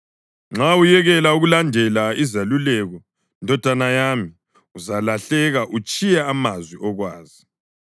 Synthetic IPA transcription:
ŋ͡ǁaujɛɣɛlauɣulandʱɛlaizalulɛɣɔ | ndʱɔd̥ʱanajami | uzalaɬɛɣaʔut͡ʃʼijaːmazwiʔɔɣwaːzi

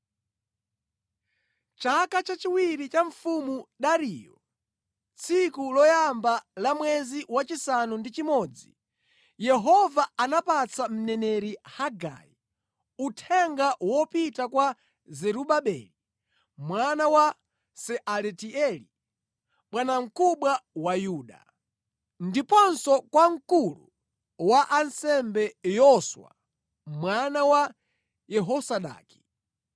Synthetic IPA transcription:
t͡ʃakat͡ʃat͡ʃiwiɾit͡ʃaɱfumuɗaɾiːjɔ̰ | t͡sʰikulɔjambalamwɛziwat͡ʃisanundit͡ʃimɔːd͡zḭ | jɛɦɔvaanapat͡sam̩nɛnɛɾihaɡa̰ji | utʰɛŋɡawɔpitakwa | zɛɾuɓaɓɛli | mwanawa | sɛʔalɛtiɛli | ɓwanaŋ̩kuɓwawajuːɗa̰ | ndipɔnsɔkwaŋ̩kulṵ | waʔansɛmbɛjɔswa̰ | mwanawa | jɛɦɔsaɗa̰ːki̥

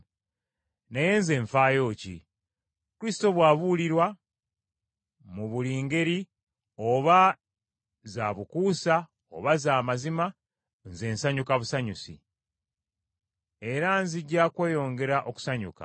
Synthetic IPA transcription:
neje̞ːnze̞ːɱfaːjo̞ːcḭ | kuɾisi̥to̞βwaːβuliɾwa | muβuliːŋɡe̞ɾi | o̞βa | zaβukuːsa | o̰βazaːmazima | nze̞ːnsaɲukaβusaɲusḭ | e̞ɾanziɟːaːkwe̞ːjo̞ːŋɡe̞ɾaʔo̞ku̥saɲṵka̰

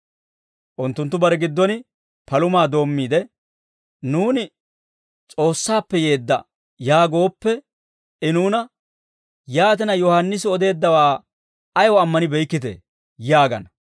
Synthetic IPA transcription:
ʔʊnt̪ːʊnt̪ːʊbɐɾɛɡɪd̪ːɔnɪ | pɐlʊmaːd̪o̞ːmːiːd̪ɛ | nuːnɪ | t͡sʼo̞ːsːaːpːɛje̞ːd̪ːɐ | jaːɡo̞ːpːɛ | ɪnuːnɐ | jaːt̪̬ɛnɐjɔhɐnːɪs̬ɪɔd̪e̞ːd̪ːɐwaː | ɐjɔɐmːɐnɪbɛjkːɪt̪̬ḛː | jaːɡɐ̰nɐ

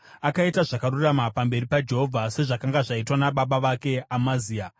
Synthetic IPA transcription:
akaitaʐakaruramapambe̞ɾipad͡ʒe̞ɦo̞vʱase̞ʐakaŋɡaʐaitwanaɓaɓaʋake̞amaziːa

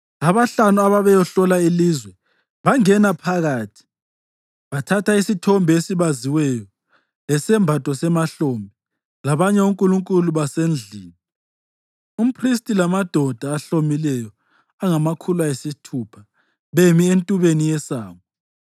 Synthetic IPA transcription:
aβaɬanuaβaβɛjɔɬɔlailizwɛ | βaŋɛnapʰaɣaːtʰi̥ | βatʰatʰaisitʰɔmbʱɛesiβaziwɛjɔ | lɛsɛmbʱatʼɔsɛmaɬombʱi | laβaɲɛuŋkʼuluŋkʼuluβasend͡ɮʱiːni | um̩pʰristʼilamad̥ʱɔd̥ʱaːɬomilɛjɔ | aŋamakʰulwaesitʰupʰa | βemientʼuβenijɛsa̰ːmɔ

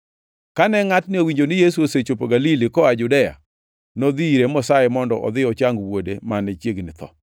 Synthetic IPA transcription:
kanɛŋatnɪowiɲd͡ʒonɪjesuoset͡ʃopoɡalilɪkɔad͡ʒʊdɛja̰ | nod̪iɾemɔsaɛmɔndɔʔɔ̰d̪ɪɔt͡ʃaŋɡwodemanɛt͡ʃjeɡnɪt̪ɔ̰

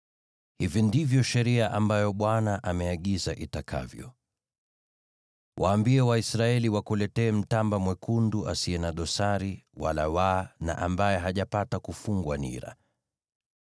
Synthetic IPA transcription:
hivindivjɔʃɛɾiaʔambajɔɓwanaʔamɛaɠizaʔitakʰa̰vjɔ̰ | wʔaːmbiɛwaisɾaɛliwakulɛtɛːm̩tambamwɛkʰunduʔasiɛnaɗɔsaɾiwa̰lawana̰ʔambajɛɦaʄapatakufuŋɡwanḭɾa̰

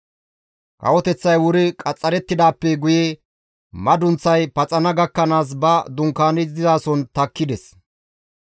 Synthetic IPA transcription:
kʼɐ̰wɔt̪ɛt͡sːɐjwʊɾɪkʼɐt͡sʼːɐɾɛt̪ːɪd̪aːpːɛɡʊje | mɐd̪ʊnt͡sːɐjpɐt͡sʼɐnɐɡɐkːɐnaːs̬bɐd̪ʊŋkːaːnɪzd̪ɪzaːsɔnt̪ɐkːɪd̪ɛs

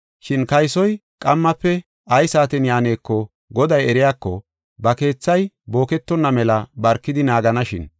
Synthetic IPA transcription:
ʃɪnkɐjsɔjkʼɐmːɐpːɛ | ʔɐjsaːt̪ɛnjaːne̞ːkːɔ | ɡɔd̪ɐjɛɾɪjaːkːɔ | bɐke̞ːt͡sːɐj | bo̞ːkɛt̪ːɔnːɐmɛlɐbɐɾkːɪd̪ɪnaːɡɐnɐʃɪn

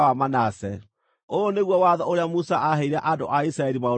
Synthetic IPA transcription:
wamanasɛ | ooneɣwɔwaðɔoɾeamusaʔaɦeiɾaʔado̰ʔaisɾaɛɾimao

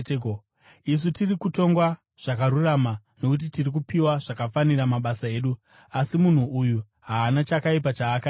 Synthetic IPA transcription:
is̬utirikuto̞ŋɡwa | ʐ̥akaɾurama | no̞kut̬itirik̬upiwaʐakafaniramaɓasae̞ːɗu | asimun̤uʔuju | ɦaːnat͡ʃakaip̬at͡ʃaːkai

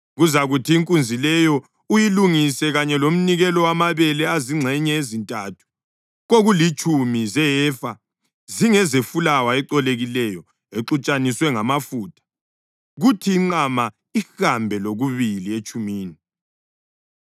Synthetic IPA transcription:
ɣuzaɣutʰiːŋkʼund͡zʱilɛjɔ | ujiluŋisɛɣaɲɛlom̩niɣɛlɔwamaβɛlɛaziŋ͡ǀʱɛɲɛezintʼatʰu̥ | ɣoɣulit͡ʃʼumizɛjɛfa | ziŋɛzefulawaɛǃɔleɣilɛjɔ | eǁut͡ʃʼaniswɛŋamafutʰʼḁ | ɣutʰiːŋ͡ǃama | ixambʱɛloɣuβiliet͡ʃʼumiːni

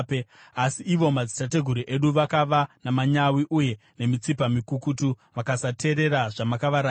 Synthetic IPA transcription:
pe | asiːʋo̞mad͡zitate̞ɡʱuɾiʔe̞ɗuʋakaʋanamaɲawiʔuje̞ | ne̞mit͡sipamikukutu | ʋakasatʰe̞ɾe̞ɾaʐamakaʋaɾaː

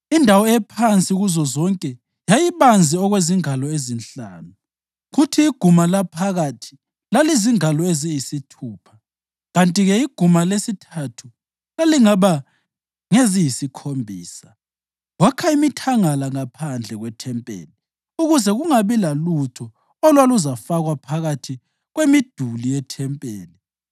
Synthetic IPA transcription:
indʱawɔɛpʰant͡sʼiuɣuzɔzɔŋkʼɛ | jajiβand͡zʱiɔɣweziŋalɔezinɬaːnu | ɣutʰiːɡ̥ʱumalapʰaɣatʰi̥ | laliziŋalɔezijisitʰuːpʰḁ | ɣantʼiɣɛiɡ̥ʱumalesitʰatʰu | laliŋaβa | ŋezijisikʰombʱiːsḁ | wakʰaimitʰaŋalaŋapʰand͡ɮʱɛɣwɛtʰɛmpʼḛːli | uɣuzɛɣuŋaβilalutʰɔ | ɔlwaluzafaɣwapʰaɣatʰi | ɣwemid̥ʱulijɛtʰɛmpʼeːli

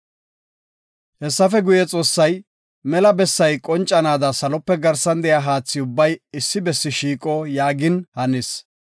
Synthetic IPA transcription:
hɛsːɐfɛɡʊjɛt͡sʼo̞ːsːɐj | mɛlɐbɛsːɐjkʼɔnt͡ʃʼːɐnaːd̪ɐsɐlɔpːɛɡɐɾsɐnd̪ɛjaːɦaːt͡sːɪʊbːɐjɪsːɪbɛsːɪʃiːkʼɔjaːɡɪnhɐnɪs

